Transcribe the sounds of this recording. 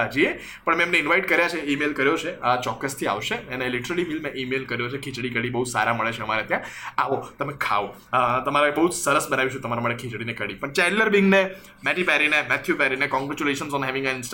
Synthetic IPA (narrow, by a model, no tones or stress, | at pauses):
d͡ʒie | pəɳmẽmneɪnʋaiʈkəɾjat͡ʃʰeimelkəɾjot͡ʃʰeət͡ʃɔkːəst̪ʰia̰ʋʃeənelɪʈəɾəlimilmẽʔimelkəɾjot͡ʃʰekʰit͡ʃɽikəɽibəɦud͡ʒsa̰ɾaməɭet͡ʃʰeəmaɾet̪jãaʋot̪əmẽkʰa̰ʋo | t̪əmaɾebəɦud͡ʒsəɾəsbənaʋiʃũt̪əmaɾamaʈekʰit͡ʃɽinekəɽipəɳt͡ʃɛlːəɾbiŋɡne | mɛʈipɛɾinemɛt̪ʰjupɛɾinekɔ̃ŋɡɾɛt͡ʃuleʃənsɔnɦɛʋɪ̃ŋɡaɪnsʈ